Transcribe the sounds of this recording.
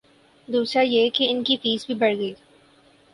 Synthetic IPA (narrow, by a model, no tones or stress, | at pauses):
d̪uːsɾajekeɪnkifiːzbʱibɐɽɡəiː